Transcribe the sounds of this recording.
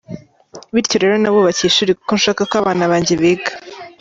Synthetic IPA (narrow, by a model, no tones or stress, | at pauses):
βiɾco̞ɾe̞ːɾo̞naβoβaciʃuɾikukonʃaːkakwaːβaːnaβaːɲɟeβeɡḁ